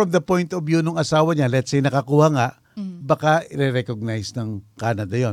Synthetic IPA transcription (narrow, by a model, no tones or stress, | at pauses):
ɹɐmd̪ɐpojnt̪objunʊŋɐsaːwɐɲalɛt̪sajnɐkɐkuhaŋaʔ | bɐkaʔɪɾɛɾɛkoɡ̚najsnɐŋkaːnɐd̪ɐjo